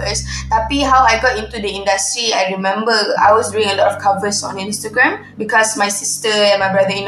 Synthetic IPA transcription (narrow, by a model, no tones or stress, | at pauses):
əst̪apiɦawajɡɔtĩntudəĩndastɹiajɹimɛ̃mbəa̰jwɔsduĩŋəlɔtɔfkʰavəsɔ̰̃nĩnstəɡɹɛ̃m | bikɔsmajsistəɛ̃nmajbɹadəĩn